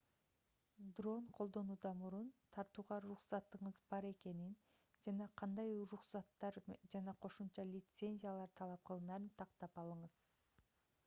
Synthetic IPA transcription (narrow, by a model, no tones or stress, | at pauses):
d̪ro̞nqʰo̞lˠd̪o̞nuːd̪ɑmuɾunt̪ʰɑɾt̪uːʁɑɾuχsɑt̪ːɯɴɯzbɑɾe̞ke̞nind͡ʒɑnɑqʰɑnd̪ɑjɾuχsɑt̪ːɑɾd͡ʒɑnɑqʰo̞ʃumt͡ʃɑlʲɪt̪se̞nʲzʲijalˠɑɾt̪ʰɑlˠɑp̚qɯlˠɯnɑɾɯnt̪ʰɑqt̪ɑpɑlˠɯɴɯz̥